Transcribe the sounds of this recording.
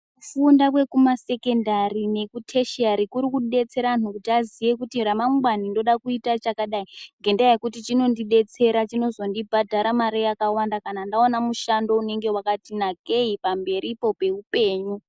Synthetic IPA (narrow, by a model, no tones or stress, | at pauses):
kufundakwe̞kumase̞ke̞ndarine̞kutʰe̞ʃaɾikuɾikuɗe̞t͡se̞ɾanukutiazije̞kutiramaŋɡwanindo̞ɗakuitat͡ʃakaɗaiŋɡe̞ndajekutit͡ʃino̞ndiɗe̞t͡se̞ɾat͡ʃino̞zo̞ndibʱadʱaɾamaɾejakawandakanandaonamuʃando̞une̞ŋɡe̞wakatinaɡʱe̞ipambe̞ɾipo̞pe̞upe̞ːɲu